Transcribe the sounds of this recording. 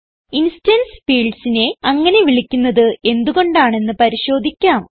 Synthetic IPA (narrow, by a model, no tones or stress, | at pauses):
instɐnsfiːɭɖsine̞ɐŋːɐne̞ʋiɭikʲːunːɐðɨe̞nd̪uɣo̞ɳɖaːɳe̞nːɨpɐɾiɕo̞ːd̪ʱikʲːaːm